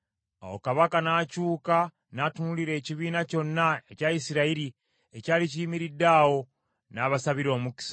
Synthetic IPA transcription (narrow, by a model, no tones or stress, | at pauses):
a̰wo̰kaβakanaːcuːka | naːtunuliɾe̞ːciβiːnaco̞nːaecaisiɾaiɾi | ecaːliciimiɾidawo̞ | naβasaβiɾo̞ːmuki̥sḁ